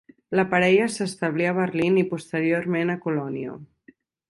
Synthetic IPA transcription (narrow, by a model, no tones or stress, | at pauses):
ləpaɾɛʎəsəst̪əβ̞liəβ̞ərlinipust̪əɾioɾmenəkulɔnio̰